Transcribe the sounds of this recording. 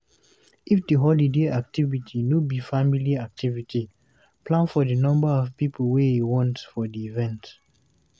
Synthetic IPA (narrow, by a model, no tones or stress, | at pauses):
ʔifdəɦɔlideak̚tivitʰinubifamiliak̚tʰivitʰi | plãnfɔdənɔ̃mbəɔvpipʰəlweiwɔ̃ntfɔdiːvɛ̃nt